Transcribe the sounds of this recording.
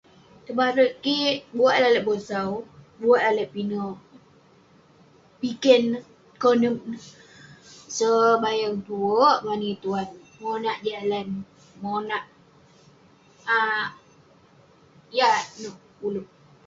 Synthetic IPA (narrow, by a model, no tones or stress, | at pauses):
t̪əbaɾəʔkiʔbuaʔ̪̚alaləʔbosaw | buaʔaləʔpinə | pikən | konək̚nə | səbajaŋt̪uəʔmanit̪uan | monaʔd͡ʒalan | monaʔ | a | janəh | ulup̚